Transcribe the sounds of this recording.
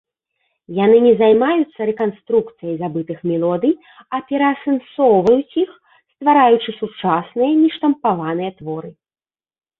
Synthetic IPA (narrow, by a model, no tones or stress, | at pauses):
janɨnʲɛzajmajut̪sːɐɾɛkanst̪ɾukt̪sɨjɐjzabɨt̪ɨxmʲɛlˠɔd̪ɨj | ɐpʲɛɾɐːsɛnsɔwvɐjut͡sʲix | st̪vaɾajut͡ʂɨsut͡ʂasnɨjɐnʲiʂt̪ɐmpavanɨjɐt̪vɔɾɨ